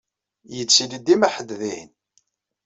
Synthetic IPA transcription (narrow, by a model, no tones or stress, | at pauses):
jət͡sːilid̪imæħəd̪ðin